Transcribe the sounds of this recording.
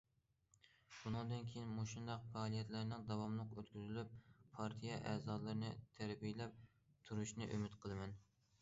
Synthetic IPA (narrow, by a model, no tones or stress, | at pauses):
b̥unɨŋd̪ɨnkʲʰejinmoʃund̪ɑqfɑːlˠijɛt̪læɾnɪŋd̪ɑwɑmlˠəqøt̪kʲyzylyp̚ʰɑɾt̪ʰijɛʔɛːzɑːlˠɨɾɨnɨt̪ʰæɾbijlɛp̚ | t̪ʰuɾuʃnɨʔymɪt̪qʰəlˠɨmɛn